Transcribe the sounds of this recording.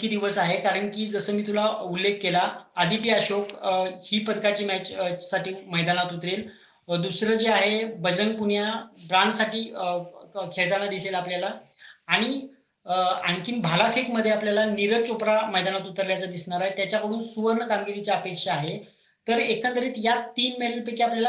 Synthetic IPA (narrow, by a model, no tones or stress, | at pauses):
kiːd̪iʋəsaɦekaɾəɳkiːd͡zəsəːmiːt̪ulaulːek̚ʰːelaːd̪ʱit̪iaɕokhiːpəd̪kat͡ɕiːmæt͡ɕsaʈiːməjd̪anat̪ut̪ɾel | d̪usɾəd͡zeaɦebəd͡zəŋɡ̚puɳjabɾansaʈiː | kʰeɭt̪anad̪iselapljalaː | ɽ̃i | aŋkimbʱalafekməd̪ʱːjeapljalaniɾət͡sopɾaməjd̪anat̪ut̪əɾljat͡sad̪isɳaɾaɦet̪jat͡ɕjakəɽ̤̃uːnsuʋəɾɳəkaŋɡiɾit͡saəpekʂaːɦe | t̪əɾekʰənt̪əɾiːt̪jat̪ːiːnmeɽəlpekiapljala